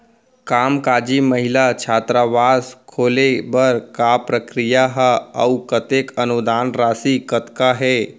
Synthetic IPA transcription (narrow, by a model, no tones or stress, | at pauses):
kaːmkaːd͡ʒiməɦɪlat͡ʃʰaːt̪ɾaʋaːskʰoːlebəɾkapɾəkɾijaɦə̰ukət̪ekənud̪aːnɾaːsikət̪kaɦɛː